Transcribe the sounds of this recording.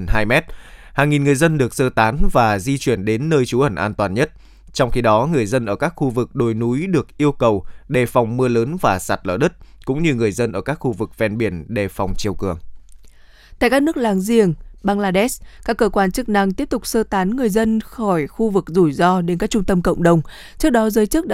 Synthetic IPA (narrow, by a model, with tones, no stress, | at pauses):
haː˧jmɛ˦˥t̚haː˨˩ŋːi˨˩nŋɨ˨˩əjzə˧nɗɨ˨˩ək̚səː˧t̪aː˨˦nvaː˨˩zi˧t͡ɕwi˧˩ənɗe˨˦nːəː˧jt͡ɕu˨˦ʔə˧˩nʔaː˧nt̪waː˨˩nɲə˦˥t̚ | t͡ɕɔ˧wŋ͡mxi˧ɗɔ˨˦ŋɨ˨˩əjzə˧nʔəː˧˩kaː˦˥k̚xu˧vɨ˨˩k̚ɗo˨˩jnu˨˦jɗɨ˨˩ək̚ʔi˧əwkə˨˩wɗe˨˩fɔ˨˩wŋ͡mmɨ˧ələː˨˦nvaː˨˩sa̰˨˩t̚lə̰ː˧˩ɗɨ˦˥t̚ | kʊ̰˧˥ŋ͡mɲɨ˧ŋɨ˨˩əjzə˧nʔəː˧˩kaː˦˥k̚xu˧vɨ˨˩k̚vɛ˧nɓi˧˩ənɗe˨˩fa˨˩wŋ͡mt͡ɕi˨˩əwkɨ˨˩əŋ | t̪a̰˧˨jkaː˦˥nɨ˦˥ək̚laː˨˦ŋzi˨˩əŋɓaː˧ŋlaː˧ɗɛ˦˥skaː˦˥kːəː˧kwaː˧nt͡ɕɨ˦˥k̚na˧ŋt̪i˦˥p̚t̪ʊ˨˩k͡p̚səː˧t̪aː˨˦nŋɨ˨˩əjzə˧nxɔ˧˩jxu˧vɨ˨˩k̚zu˧˩jzɔ˧ɗe˨˦nkaː˦˥k̚t͡ɕʊ˧ŋ͡mt̪ə˧mkə̰˧˨wŋ͡mɗə˨˩wŋ͡m | t͡ɕɨ˦˥ək̚ɗɔ˨˦zəː˨˦jt͡ɕɨ˦˥k̚ɗ